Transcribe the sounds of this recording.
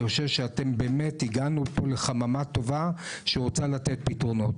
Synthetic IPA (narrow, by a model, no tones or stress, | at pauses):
oʃevʃeate̞mbe̞metiɡanupo̞leχamamato̞vaʃeʁot͡salat̪et̚pitʁo̞no̞t